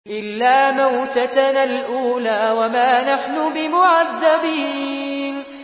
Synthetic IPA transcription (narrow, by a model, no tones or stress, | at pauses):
ʔɪlːaːmawt̪at̪analʔuːlaːwamaːnaħnʊbɪmʊʕaðːabiːn